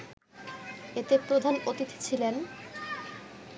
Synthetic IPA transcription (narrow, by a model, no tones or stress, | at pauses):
et̪epɾod̪ʱanot̪it̪t͡ɕʰilen